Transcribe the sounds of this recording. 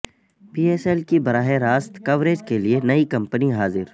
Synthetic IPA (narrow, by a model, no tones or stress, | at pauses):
piːeːsɛːlkibɐɾaːɦeɾaːst̪kɐʋɾeːd͡ʒkelienɐikɐ̃mpəniɦaːzɪɾ